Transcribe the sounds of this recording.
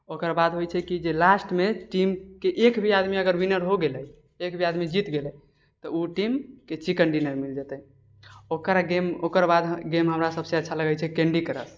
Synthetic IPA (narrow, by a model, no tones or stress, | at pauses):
okəɾbad̪ɦojt͡ʃʰɛkid͡ʒelasʈmeʈimkeʔekbʱiad̪miəɡəɾwinəɾɦoɡeləj | ekbʱiad̪mid͡ʒit̪ɡelɛ | t̪ɔuʈimket͡ʃikəɳɖinəɾmild͡ʒət̪ə | okɾaɡemokəɾbad̪ɡemɦəmɾasəbseətːʃʰaləɡəjt͡ʃʰɛkẽɳɖikəɾə̰s